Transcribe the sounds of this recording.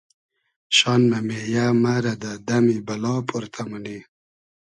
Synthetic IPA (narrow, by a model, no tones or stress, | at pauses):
ɕɑnmamejamaɾad̪ad̪amibalɑːpʰuɾt̪ʰamuni